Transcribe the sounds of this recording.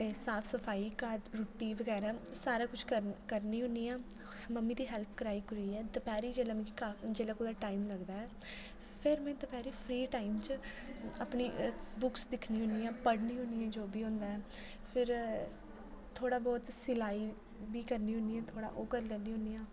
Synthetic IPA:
t̪eːsaːpʰsəpʰaːiːkaːɾoːʈːiːʋəɡɛːɾaːsaːɾaːkʊt͡ʃʰkəkəɾniːɦʊ̃niːãː | məmːiːd̪iːɦɛːlpʰkəɾaːiːkəɾuiːɛːd̪əpɛːɾiːd͡ʒɛːlamɛ̃kːkad͡ʒɛːlaːkoːd̪aːʈaːimləɡd̪aːɛː | pʰɪɾmɛ̃ːd̪əpʰɛːɾiːpʰɾiːʈaːimt͡ʃ | aːpniːbʊksd̪ɪkʰniːɦʊ̃nd̪iːãːpəɽniːɦʊ̃niːɛ̃ːd͡ʒoːbiːɦõnd̪aːɛː | pʰɪɾ | t̪ʰːoːɽaːbɔːt̪sɪlaːiː | biːkəɾniːɦʊ̃nd̪iːɛːt̪ʰoːɽa̰ːʔoːkəɾlɛːniːɦʊ̃nd̪iːãː

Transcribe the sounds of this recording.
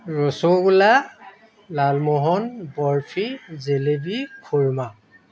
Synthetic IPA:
ɹɔsoɡula | lalmɔɦɔnbɔɹpʰizelebikʰuɹma

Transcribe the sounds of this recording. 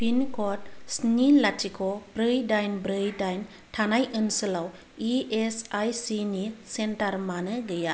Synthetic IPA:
pʰinkʰɔtsnilatʰikʰɔbɾɯjdajnbɾɯjdajn | tʰanajʔɯnsɯlaw | iesajsinisentaɾmanɯɡɯja

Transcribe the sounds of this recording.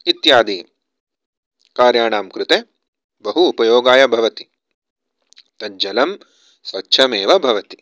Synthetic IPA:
it̪jaːd̪i | kaːɾjaːɳaːmkɾut̪e | bɐɦuːpɐjoːɡaːjɐbʱɐʋɐt̪i | t̪ɐd͡ʒɐlɐm | sʋɐtːʃʰɐmeːʋɐbʱɐʋɐt̪i̥

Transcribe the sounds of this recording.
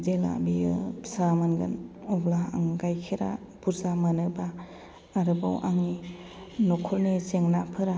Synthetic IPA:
zela̰biɯsamanɡɯ̰nɔblaa̰ŋɡajkʰiɾa̰ | puɾzamanɯbaː | ɾɯba̰wʔaŋni | nɔkʰɔlnizeŋnapʰɯɾa

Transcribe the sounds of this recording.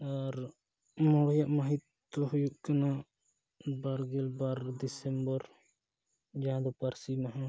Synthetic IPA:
aɾ | mɔɽjaʔmaɦit̪ː | ɔɦujuʔkana | baɾɡɛlbaɾd̪isɛmbɔɾ | d͡ʒaãd̪ɔpaɾsimɛɦɛ̃

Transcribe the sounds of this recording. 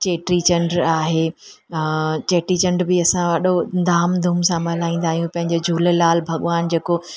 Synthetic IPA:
t͡ɕeːʈɾit͡ɕɐ̃ɳɖɾaːɦeː | t͡ɕeːʈɾit͡ɕɐ̃ɳɖbɪɐsãʋɐɗod̪aːmd̪ʱumsãmɐlaːĩːn̆d̪aːɦijũpɐ̃ɦɪ̃ɲd͡ʑod͡ʑʱuːl̆laːlbʱɐɠʋaːnd͡ʑeːko

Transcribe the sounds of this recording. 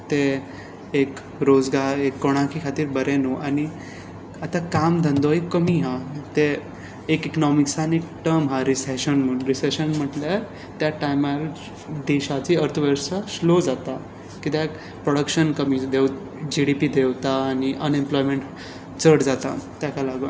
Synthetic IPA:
t̪e | ek | ɾod͡zɡaɾekːoɽ̃akʰikʰat̪iːɾbəɾenoʔani | at̪akamd̪ʱə̃nd̪oekːəmiːɦat̪eː | kiknɔmiksanikʈəɾmɦaɾiseɕənm̤əɾiseɕənm̤əʈljaɾ | t̪jaʈajmal | d̪eɕat͡ɕiəɾt̪ʰəʋeɾsaslod͡zat̪a | kit̪eek | pɾoɽəkɕənkəmiːd̪ʱew | d͡ʑiɽipid̪ʱewt̪aːniʔənemplɔjmẽɳʈ | t͡səɽd͡zat̪a̰t̪jakalaɡə

